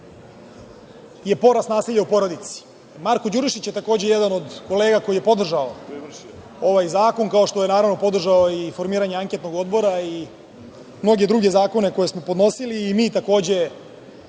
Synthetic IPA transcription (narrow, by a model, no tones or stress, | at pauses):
je̞po̞ɾasnaːsiʎaupo̞ɾo̞d̪it̪si̥ | maɾko̞d͡ʑuɾiʃit͡ɕjet̪ako̞ːd͡ʑejed̪ano̞d̪ko̞leːɡako̞ije̞po̞d̪r̩ʒao | o̞ʋajzaːko̞ŋkao̞ʃt̪o̞jenaːɾaʋno̞po̞d̪r̩ʒaoifo̞ɾmiːɾaɲeaŋket̪no̞ɡo̞d̪bo̞ɾai | mno̞ɡe̞d̪ɾuɡe̞zaːko̞ne̞ko̞je̞smo̞pod̪no̞siliːmiːt̪ako̞ːd͡ʑe̞